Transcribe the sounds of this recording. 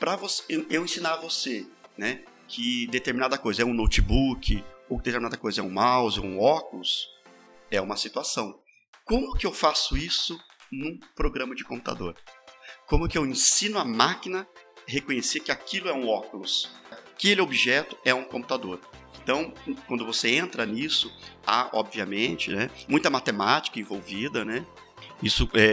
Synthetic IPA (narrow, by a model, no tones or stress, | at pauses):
pɾɐvoseewẽsĩnaɾɐvosenɛ | kʰɪd̪et̪eɾminad̪ɐkojzɐɛũnowt͡ʃɪbukʰɪokd̪et̪eɾminad̪ɐkojzɐɛũmawzo̰ũɔkulʊs | ɛũmɐsit̪uasɐ̃w̃ | kõmʊkɪewfasʊisʊ | nũpɾoɡɾɐ̃mɐd͡ʒɪkõmpu̥t̪a̰d̪o̰ɾkõmʊkɪewẽsĩnʊamakinɐhekõɲesekɪakilʊɛũɔkulʊskelɪobiʒɛt̪ʊ̥ɛũkõpu̥t̪ad̪oɾẽnt̪ɐ̃w̃kwɐ̃nd̪ʊvoseẽnt̪ɾɐnisʊa̰ʔɔbviɐmẽt͡ʃɪnɛmũj̃t̪ɐmat̪emat͡ʃi̥kɐẽvowvid̪ɐnɛ | isʊɛ